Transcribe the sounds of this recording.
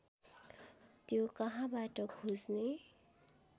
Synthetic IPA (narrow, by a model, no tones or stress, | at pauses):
t̪jokʌɦãbaʈʌkʰusne